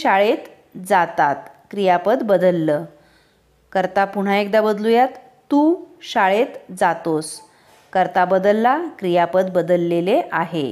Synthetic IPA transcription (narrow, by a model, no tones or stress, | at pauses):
ɕaɭet̪ | d͡zat̪at̪kɾijapət̪bəd̪əlːəː | kəɾt̪apuɽ̤̃aek̚d̪abəd̪lujat̪ː | uɕaɭet̪d͡zat̪os | kəɾt̪abəd̪əlːakɾijapət̪̚bəd̪əlːeleʔaɦḛ